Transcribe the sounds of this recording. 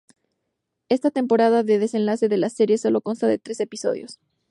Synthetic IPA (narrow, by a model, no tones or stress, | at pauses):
e̞st̪at̪e̞mpo̞ɾaðaðe̞ðe̞se̞nlase̞ðe̞lase̞ɾje̞so̞lo̞ko̞nst̪aðe̞t̪ɾe̞se̞piso̞̰ðjo̞̰s